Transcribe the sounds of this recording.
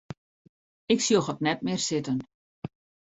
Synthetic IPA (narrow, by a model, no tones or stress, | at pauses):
ɪksjoxɔtnɛtmɪːrsɪtən